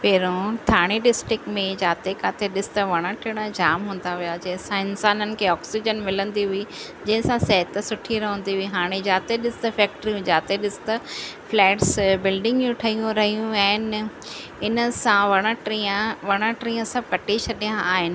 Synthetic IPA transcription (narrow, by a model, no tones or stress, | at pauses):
pɛːɾõt̪ʰaːɽ̃eɖɪsʈɾɪkmẽd͡ʑaːt̪ekaːt̪ʰeɗɪsɪ̥t̪ɐʋɐɽ̃ãʈʰɪɽ̃ad͡ʑaːmɦũːn̆d̪aʋijad͡ʑɐ̃ɦɪ̃sãɪnsaːnənɪ̆kʰeːɔːksid͡ʑənmɪlə̃nd̪iɦʊi | d͡ʑɐ̃ɦɪ̃sãsɐɦt̪sʊʈʰiɾɐɦə̃n̆d̪iɦʊiɦaːɽ̃ed͡ʑaːt̪eɗɪsɪ̥t̪ɐfɛːk̚ʈɾiũd͡ʑaːt̪eɗɪsɪ̥t̪ɐflɛːʈsbɪlɖɪ̃ŋɡjũʈʰɐɦijũɾɐɦijũɛːɪn | ɪnəsãʋɐɽ̃ãʈɾiãʋɐɽ̃ãʈɾiːə̃sɐ̃kɐʈit͡ɕʰɐɗijãaːɦɪnɪ̆